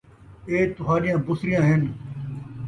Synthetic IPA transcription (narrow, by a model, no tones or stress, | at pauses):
eːt̪ʊɦaːɗɪjãːbʊsɾɪjãːɦɪn